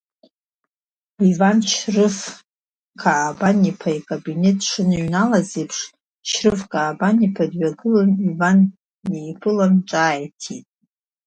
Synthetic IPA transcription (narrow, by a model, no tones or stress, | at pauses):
ivanʃrɨf | kʰaːbanipʰaikʼabinetʼʂɨnɨɥnalazipʰʂ | ʃrɨfkʼaːbanipʰadɥaɡɨlanivan | ejpʰɨlanʈ͡ʂʼaːjtʰitʼ